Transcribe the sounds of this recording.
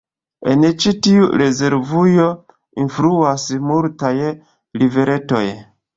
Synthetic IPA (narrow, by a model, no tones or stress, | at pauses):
e̞̰nt͡ʃitiuɾe̞ze̞ɾvujo̞ | infɾuasmultaj | live̞ɾe̞to̞̰j